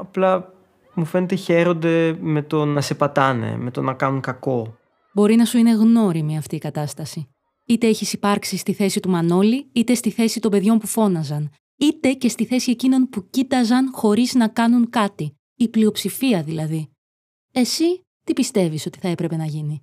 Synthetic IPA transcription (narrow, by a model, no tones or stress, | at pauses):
ɐplɐ | mufe̞net̪eçe̞ɾo̞nd̪e̞me̞t̪o̞nɐse̞pɐt̪ɐnḛmet̪o̞̰nɐkɐnuŋkɐko̞ | bo̞ɾinɐsuine̞ɣno̞ɾimiɐft̪iːkɐt̪ɐst̪ɐsi | it̪e̞eçisipɐɾksist̪iθe̞sit̪umɐno̞liit̪e̞st̪iθe̞sit̪o̞mbe̞ðʝo̞mpufo̞nɐzɐn | it̪e̞ce̞st̪iθe̞sie̞cino̞npucit̪ɐzɐnxo̞ɾiznɐkɐnuŋkɐt̪i | iplio̞psifiɐðilɐði | e̞si | t̪ipist̪e̞viso̞t̪i̥θɐe̞pɾepe̞nɐʝini